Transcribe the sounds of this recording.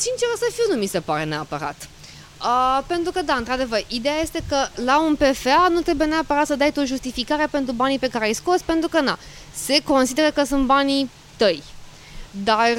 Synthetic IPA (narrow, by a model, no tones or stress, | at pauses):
sint͡ʃeɾsəfiwnumise̞paɾe̞ne̞apəɾa̰t̪ | əpe̞nt̪ɾukəd̪aɨnt̪ɾad̪e̞vərid̪ejaje̞st̪e̞kəlaunpe̞feanut̪ɾe̞bujene̞apəɾat̪səd̪ajt̪oʒust̪ifikaɾe̞pent̪̬ɾubanipe̞kaɾeajsko̞spe̞nt̪ɾukəna̰ | se̞ko̞nsid̪e̞ɾəkəsunt̪̚bani | t̪əj | d̪ar